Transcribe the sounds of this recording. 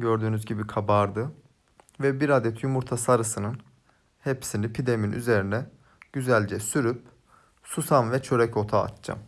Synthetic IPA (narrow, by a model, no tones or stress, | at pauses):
ɟø̞ɾd̪yːnyzɟibikʰabaɾd̪ɯ | vɛbiɾad̪ɛt̪ʰjumuɾt̪ʰasaɾɯsɯnɯn | hepsinipʰid̪eminʔy̰ze̞ɾinɛ | ɟ̥yzælʲd͡ʒɛsyɾyp | susanvɛt͡ʃʰø̞ɾɛco̞t̪ʰa̰ːt̪t͡ʃa̰m